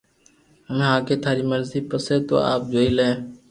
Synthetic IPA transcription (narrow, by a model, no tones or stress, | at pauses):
ɦəmeːɦãːkeːt̪ʰaːɾiːməɾziːpəseːt̪o̰ːa̰ːp̚d͡ʒoːiːlẽː